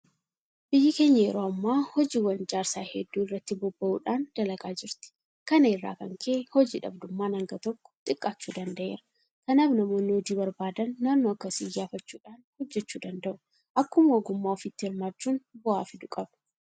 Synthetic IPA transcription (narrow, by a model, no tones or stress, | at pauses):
b̥ɪjːɐke̞ːɲːɐjɛɾoːɐmːaːhɔd͡ʒiːwɐnd͡ʒaːɾsaːhɛd̪ːuːɪrːɐt̪ːɪbɔbːɐʔuːᶑaːnd̪̥ɐlɐkʼaːd͡ʒɪɾt̪ɪ̥ | kɐnɐɪrːa̰ːkɐŋkʰeːhɔd͡ʒiːᶑɐ̰bd̪ʊmːaːnɐŋɡɐt̪ɔkːɔ̥t̪ʼɪkʼːaːt͡ʃːuːd̪ɐnd̪ɐʔe̞ːɾɐ | kɐnaːfnɐmoːnoːd̪iːbɐɾbaːd̪ɐnːaːnːoːɐkːɐsijːaːfɐt͡ʃːuːᶑaːnhɔd͡ʒːɛt͡ʃːuːd̪ɐnd̪ɐʔʊ | ʔɐkːʊmɐɔɡʊmːaːɔfɪt̪ːɪhɪɾmaːt͡ʃːuːnbʊʔa̰ːfɪd̪ʊkʼɐb